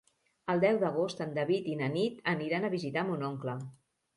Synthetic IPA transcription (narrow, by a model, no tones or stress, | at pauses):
əlˠd̪ɛwðəɣ̞ost̪ənd̪əβit̪inənit̪əniɾanəβizit̪amunoŋklə